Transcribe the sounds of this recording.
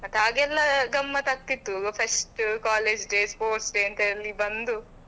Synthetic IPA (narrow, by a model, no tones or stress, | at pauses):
mɐt̪ːaːɡɛlːɐɡɐmːɐt̪ɐk̚t̪it̪ːupʰesʈkaːleːd͡ʒɖeːspoːɾʈsɖeːnt̪eɐlːibɐnd̪u